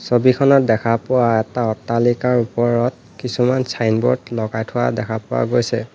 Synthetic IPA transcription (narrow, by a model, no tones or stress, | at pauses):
sobikʰɔnɔt̚dɛkʰapʊwaɛtaɔtːalikaɹupɔɹɔt̚ | kisumansʰajnbɔ̰tlɔɡajtʰʊwa̰dɛkʰapʊwa̰ɡojsɛ